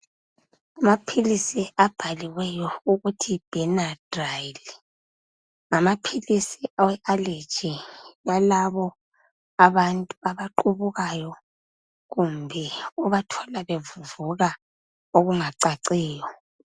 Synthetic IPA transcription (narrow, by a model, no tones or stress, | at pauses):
amapʰilisiab̥ʱaliwɛjɔuɣutʰib̥ʱɛnad̥rajli | ŋamapʰilisiawɛʔale̥t͡ʃʼijalaβɔ | aβantʼuaβaǃuβuɣajɔ | ɣumbʱɛuβatʰɔlaβevuvuɣa | oɣuŋaǀaǀiːjɔ